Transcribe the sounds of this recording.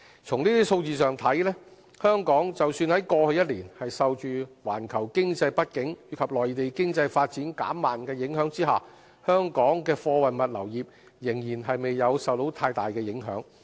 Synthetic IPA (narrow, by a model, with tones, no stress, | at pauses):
t͡sʰʊ˨˩ŋniː˥t̪iː˥so˧wt͡siː˨˧sœː˨ŋt̪ʰɐ˨˥jlɛː˥ | hœː˥ŋkɔː˨˥ŋt͡sɐ˨wsyː˧nhɐ˨˥jkɔː˧hɵ˧jɐ˥t̚liː˨˩nhɐ˨jsɐ˨wt͡ʃyː˨wa̰ː˨˩nkʰɐ˨˩wkɪ˥ŋt͡sɐ˧jpɐ˥t̚kɪ˨˥ŋjyː˨˧kʰɐ˨p̚lɔː˨˩jt̪e˨jkɪ˥ŋt͡sɐ˧jfaː˧t̚t͡siː˨˥nka̰ː˨˥mːaː˨nkɛː˧jɪ˨˥ŋɦœː˨˥ŋt͡siː˥ɦa̰ː˨˩ | hœː˥ŋkɔː˨˥ŋkɛː˧fɔː˧wɐ˨jmɐ˨t̚lɐ˨˩wjiː˨p̚ | jɪ˨˩ŋjiː˨˩nɦɐ˨jme˨jːɐ˨˧wsɐ˨wt̪o˨˥wt̪ʰaː˧jt̪aː˨˩jkɛː˧jɪ˨˥ŋɦœ̰ː˨˥ŋ